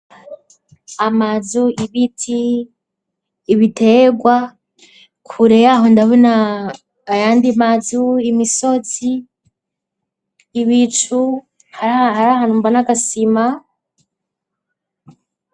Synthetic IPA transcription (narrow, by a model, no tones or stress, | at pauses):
amazuʔiβitʰi | βitʰe̞ɡwa | kʰuɾejaɦondaɦunaː | jandimazuimiso̞zi | βit͡ʃu | hahaɾahaːnhumbanaɡasima